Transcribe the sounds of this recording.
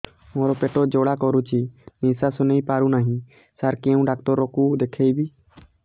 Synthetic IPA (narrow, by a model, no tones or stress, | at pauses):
moɾɔpeʈod͡ʒoɽakɔɾut͡ʃinĩsasʊneipaːɾunaɦĩ | səɾkẽũɖak̚t̪ɔɾːɔkud̪ekʰejbi